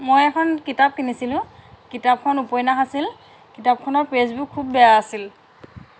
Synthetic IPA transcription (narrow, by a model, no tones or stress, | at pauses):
mojɛkʰɔnkitap̚kinisilʊ̃kitap̚kʰɔnupɔjnaxasil | kitap̚kʰɔnɔɹpɹezbukʰːubːɛjaːsil